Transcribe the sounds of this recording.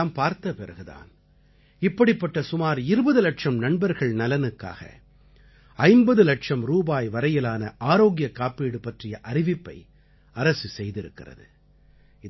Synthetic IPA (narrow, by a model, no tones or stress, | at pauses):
mpaːɾt̪ɐpɪrɐɣɯða̰ːn | ɪpːɐɽɪpːɐʈːɐsʊmaːɾɪɾɯbɐðɯlɐʈʂɐmnɐɳbɐɾɣɐɭnɐlɐnɯkːa̰ːɣɐ̰ | ɐɪnbɐðɯlɐʈʂɐmɾuːbaːjʋɐɾɐjɪlaːnɐʔaːɾoːɣɪjɐkːaːpiːɽɯpɐʈrɪjɐʔɐɾɪʋɪpːɐ̰ɪ | ɐɾɐsɯsɛjðɪɾɯ̰kːɪ̰rɐ̰ðɯ̰ | ɪ